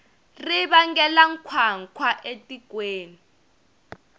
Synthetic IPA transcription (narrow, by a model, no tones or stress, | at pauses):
riβaŋɡɛlaŋ̩kʰwaŋ̩kʰwaʔetʼikweːni